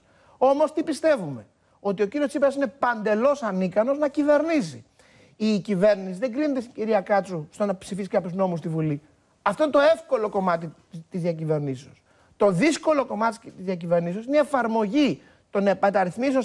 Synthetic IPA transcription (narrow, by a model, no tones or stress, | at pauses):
o̞mo̞st̪ipist̪e̞vume̞ | o̞t̪iociɾiot͡sipeɾɐsine̞pɐnd̪e̞lo̞sɐnikɐno̞znɐcive̞ɾnisḭ | icive̞ɾnisiðeŋɡɾinet̪est̪iciɾiɐkɐt͡sust̪onɐpsifiskɐpçuzno̞mus̬t̪ivuli | ɐft̪oinet̪o̞efko̞lo̞ko̞mɐt̪i | t̪izðiɐcive̞ɾniseos | t̪o̞ðisko̞lo̞ko̞mɐt̪it̪izðiɐc̬ive̞ɾniseo̞sineiefɐɾmo̞ʝi | t̪o̞nepɐt̪ɐɾiθmiseo